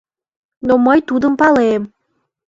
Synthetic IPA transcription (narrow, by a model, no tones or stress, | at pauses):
noməjt̪ud̪əmpɑlem